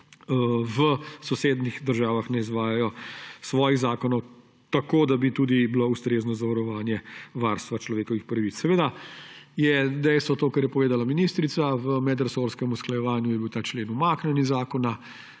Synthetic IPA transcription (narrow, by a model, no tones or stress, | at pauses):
ʋəsɔseːd̪nixd̪əɾʒaːʋaxnɛizʋaːjajɔsʋɔːjiɣzaːkɔnɔw | t̪akoːd̪abit̪ud̪ibloust̪ɾeːznɔzaʋaɾɔʋaːnjɛʋaːɾst̪ʋat͡ʃlɔʋeːkɔʋixpɾɐʋit̪ssːɛʋeːd̪ajɛd̪ɛjst̪ʋɔt̪oːkaɾjɛpɔʋeːd̪alaminist̪ɾit̪saʋəmɛd̪əɾsoɾskɛmusklajɛʋaːnjujɛbiwt̪aːt͡ʃleːnumaːknɛnizaːkɔna